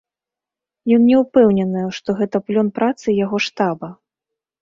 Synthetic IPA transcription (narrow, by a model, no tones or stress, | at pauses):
jɔnːʲɛwpɛwnʲɛnɨjɛʂt̪ɔɣɛt̪ɐplʲɔnpɾat̪sɨjaɣɔʂt̪abɐ